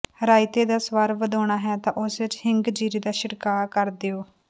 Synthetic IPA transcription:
ɾaːɪt̪eːd̪aːsʋəɾʋəd̪oːɳ̃aːɦɛːt̪ãːʔʊsʋɪt͡ʃhɪŋɡd͡ʒiːɾiːd̪aːʃɪɽkaːkəɾd̪eːoː

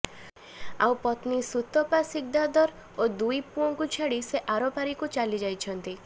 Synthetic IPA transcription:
a̰wpɔt̪nisut̪ɔpasik̚d̪ad̪ɔɾ | od̪ujpuɔŋkut͡ʃʰaɽiseʔaɾɔpaɾikut͡ʃalid͡ʒajt͡ʃʰɔnt̪i

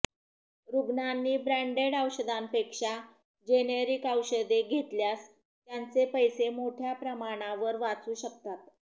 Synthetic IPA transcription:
ɾuɡnanːiːbɾæɳɖeɽəwɕəd̪ampekʂa | d͡ʑenəɾikawɕəd̪eɡʱet̪ljas | t̪jant͡sepəjsemoʈʰjapɾəmaɽ̃ãʋəɾʋat͡suːɕək̚t̪at̪

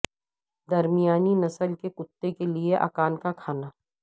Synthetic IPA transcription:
d̪ɐɾmijaːninɐsəlkekʊt̪ːekelieʔa̰ːkaːnkakʰaːnaː

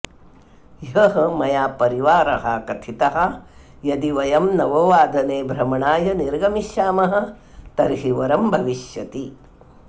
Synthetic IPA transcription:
jɦɐɦɐmɐjaːpɐɾiʋaːɾɐɦɐkɐt̪ʰit̪ɐɦɐ̆ | jɐd̪iʋɐjɐmnɐʋɐʋaːd̪ɐneːbɾɐmɐɳaːjɐniɾɡɐmiʃaːmɐɦɐ̆ | t̪ɐɾɦiʋɐɾɐmbʱɐʋiʃjɐt̪i

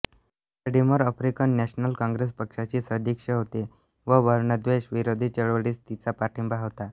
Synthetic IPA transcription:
əɾɖiməɾəfɾikənːɛɕnəlkãŋɡɾes̬pəkʂat͡ɕiːsəd̪ʱikʂəɦot̪i | ʋəʋəɾɳəd̪ʋeɕʋiɾod̪ʱiːt͡ɕəɭʋɽiːst̪it͡sapaʈʰimbʱaɦoʋt̪a

